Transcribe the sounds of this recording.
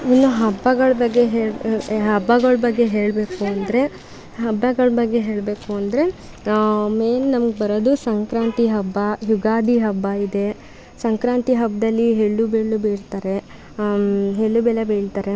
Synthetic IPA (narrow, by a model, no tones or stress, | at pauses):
inːuɦɐbːɐɡɐɭbɐɡːeɦeːɭɦɐbːɐɡɐɭbɐɡːe̞ɦe̞ːɭbe̞ːkuɐnd̪ɐɾe̞ | ɦɐbːɐɡɐɭbɐɡːe̞ɦe̞ːɭbe̞ːkuɐnd̪ɐɾe̞ | meːnnɐmɐɡebɐɾoːd̪usɐŋkɾaːnt̪iɦɐbːɐjuɡaːd̪ʱiɦɐbːɐid̪e̞ | sɐŋkɾaːnt̪iɦɐbːɐd̪ɐlːiɦeɭːubeɭːubeːɾt̪aːɾe | ɦeɭːubɛlebeːɭt̪aːɾe̞